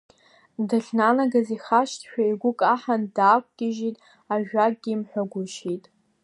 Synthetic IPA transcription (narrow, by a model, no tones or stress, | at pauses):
dɨɬʲnanaɡaziχaʃtʰʃᶣaiɡʷʊkʼaħandaːkʷʼɡʲɪʒitʼ | aʒᶣak̚ʼɡʲiːmħᶣʷaɡʷʊʃitʼ